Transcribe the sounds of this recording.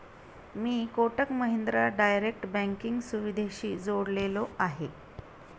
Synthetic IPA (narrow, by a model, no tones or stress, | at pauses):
miːkoʈəkməɦind̪ɾaɖajɾek̚ʈbæ̃ŋkiŋɡsuʋid̪ʱeɕiːd͡zoɽleloaɦe